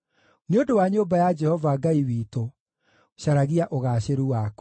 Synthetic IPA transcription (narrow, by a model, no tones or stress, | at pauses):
neodowaɲobajad͡ʒɛhɔvaɡaiwiːto | ɕaɾaɣiaʔoɣaːɕeɾuwak